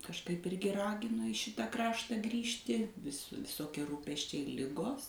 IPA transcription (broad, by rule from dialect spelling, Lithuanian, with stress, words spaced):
kɐʃˈkɐɪp ˈɪrʲɡʲɪ ˈrɑːɡʲɪnoː ɪ ˈʃʲɪtɐ ˈkrɑːʃtɑː ˈɡrʲiːʃʲtʲɪ ʋʲɪs ʋʲɪˈsoːkʲiɛ ˈruːpʲɛsʲt͡ʃʲɛɪ ˈlʲɪɡoːs